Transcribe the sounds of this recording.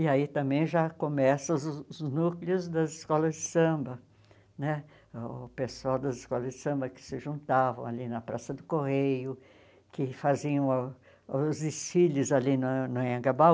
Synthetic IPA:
ɪait̪ɐ̃mbẽj̃ʒakõmɛsɐʊznukliʊzd̪ɐzɪskɔlɐzd͡ʒɪsɐ̃mbɐ | nɛ | pesuawd̪ɐzɪskɔlɐzd͡ʒɪsɐ̃mbɐkɪ̥sɪʒũnt̪avɐ̃alinɐpɾa̰sɐd̪ʊkohejʊ | kɪfaziɐ̃w̃ | azisfilɪzalinʊnʊẽɡaba

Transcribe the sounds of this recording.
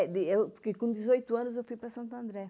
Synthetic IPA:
d̪iewpuɾkekõd̪izojt̪uãnuzewfujpɾɐsɐ̃nt̪ɐ̃nd̪ɾɛ

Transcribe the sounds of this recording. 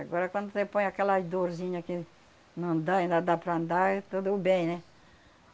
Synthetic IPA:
aɡɔɾɐkwɐ̃nd̪ʊsepõj̃akɛlɐzd̪oɾzĩɲɐkɪ | nɐ̃d̪aĩnd̪ɐd̪apɾɐ̃nd̪aɛt̪ud̪ubẽj̃nɛ̃

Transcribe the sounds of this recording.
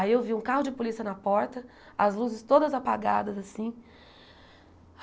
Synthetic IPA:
aiewviũkahʊd͡ʒɪpolisiɐnɐpɔɾt̪ɐ | ɐzluzɪst̪od̪ɐzapa̰ɡa̰d̪ɐzasĩ

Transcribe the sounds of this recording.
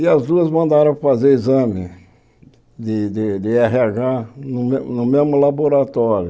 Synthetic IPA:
ɪɐzd̪uɐzmɐ̃nd̪aɾɐ̃w̃fazeɾizɐ̃mɪ | d̪ɪd̪ɪd̪ɪɛɦɪaɡanʊmnʊmezmʊlaboɾat̪ɔɾjʊ

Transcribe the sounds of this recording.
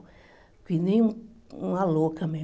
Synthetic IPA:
kʷinĩãlokʰamẽ

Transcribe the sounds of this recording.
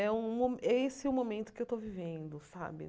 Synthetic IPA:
ɛũmomʔesɪɛũmomẽnt̪ʊ̥kɪewt̪ovivẽnd̪ʊsa̰bɪ̰

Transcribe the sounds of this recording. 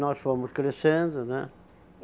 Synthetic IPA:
nɔsfomʊskɾesẽnd̪ʊnɛ̰

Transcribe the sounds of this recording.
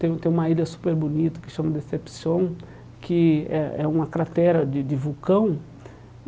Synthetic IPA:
t̪ẽj̃t̪ẽj̃ũmɐiʎɐsu̥peɾbonit̪ɐ̥kɪ̥ʃɐ̃mɐd̪esepsiõw̃ | kɪɛɛ̰ũmɐkɾat̪ɛɾɐd͡ʒ̪ɪd͡ʒ̪ɪvukɐ̃w̃

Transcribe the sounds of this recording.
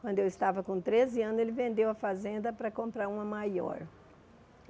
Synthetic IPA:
kwɐ̃nd̪ʊewɪst̪avɐkõt̪ɾezɪɐ̃nʊzelɪvẽnd̪ewɐfazẽnd̪ɐpɾɐkõmpɾaɾũmɐmajɔ̰ɾ

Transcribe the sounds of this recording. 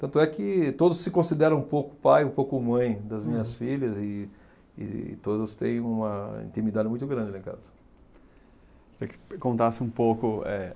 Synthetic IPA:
t̪ɐ̃nt̪ʊɛkɪt̪od̪ʊsːɪkõsid̪ɛɾɐ̃ũpowkʊpajũpowkʊmɐ̃j̃d̪ɐzmĩɲɐsfiʎɐzɪ | ɪ̰t̪od̪ɐst̪ḛ̃j̃ũmɐḭ̃nt̪imid̪ad̪ɪmũj̃t̪ʊɡɾɐ̃nd͡ʒɪɐlɛ̃ka̰zɐ | keɾikɪ̥kõnt̪asɪũpokʊɛ̰

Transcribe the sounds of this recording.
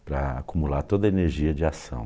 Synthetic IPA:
pɾɐa̰kumulat̪od̪ɐeneɾʒiɐd͡ʒɪasɐ̰̃w̃

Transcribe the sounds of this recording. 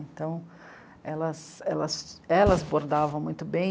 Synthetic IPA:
ẽnt̪ɐ̃w̃ | ɛlɐsɛlɐsɛlɐzboɾd̪avɐ̃w̃mũj̃t̪ʊbẽj̃

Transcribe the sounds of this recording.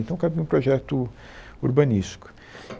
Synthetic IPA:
nt̪ɐ̃w̃kabĩũpɾɔʒɛt̪ʊ | uɾbɐ̃niʃt͡ʃi̥kʊ̥

